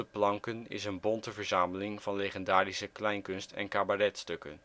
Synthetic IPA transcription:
əplɑŋkənɪ̰sənbɔntəvəɹzaːməlɪŋvɑnlejχəndaːrisəklɛjŋkɵnstɛ̰nkaːbarɛtstɵkə̰n

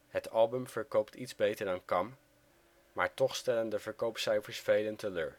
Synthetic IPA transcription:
ɦətʰɑlˠbɵmv̥əɹkowptʰitzbejtəɹdɑnkɑmː | a̰ːɹtɔχstɛləndəvəɹkowpsɛjfəɹsfejləntʰəlø̰ːn

